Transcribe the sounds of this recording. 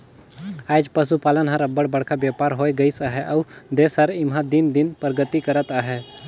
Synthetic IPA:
aːjd͡ʒpəs̬upaːlənɦəɾəbːəɽbəɽkʰabjapaːɾɦoːjɡəisaːɦɛʔɐʊd̪eːsɦəɾɪmɦãd̪ɪnd̪ɪnpɾəɡət̪ikəɾət̪aːɦɛ

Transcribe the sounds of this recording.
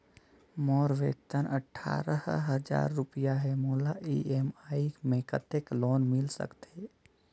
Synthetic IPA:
mɔɾʋḛt̪ənəʈʰːa̰ːɾə̰ɦɦəd͡ʒa̰ɾːupijaɦɛmoːlaʔiemaimẽkət̪ekloːnmɪlsə̰kt̪e

